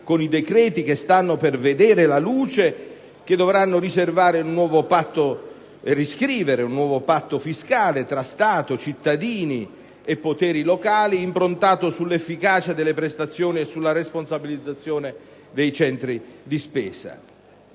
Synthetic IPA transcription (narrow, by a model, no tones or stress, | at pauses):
konid̪ekɾɛːt̪ik̟est̪anːoperved̪ɛːɾelaluːt͡ʃe | k̟ed̪ːovɾanːoɾiservaːɾeunːwɔːvopat̪ːo | riskɾiːveɾeunːwɔːvopat̪ːofiskaːlet̪ɾast̪aːt̪ot͡ʃit̪ːad̪iːni | epːot̪ɛːɾilokaːliːmpɾont̪aːt̪osulːefːikaːt͡ʃad̪elːepɾest̪at̪sːjoːniesːulːaɾesponsabilid̪zat̪sːjoːne | d̪ejt͡ʃɛnt̪ɾid̪ispɛːsa̰